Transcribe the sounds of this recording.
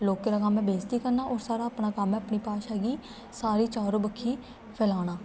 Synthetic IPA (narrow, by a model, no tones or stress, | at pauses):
loːkːeːɾaːkamẽːbeːst̪iːkəɾnaːʔɔːɾsaːɾaːəpnaːkəmẽəpɳiːpaːʃɛːɡiː | saːɾiːt͡ʃaːɾoːbəkʰːiː | pʰɛːlaːɽaː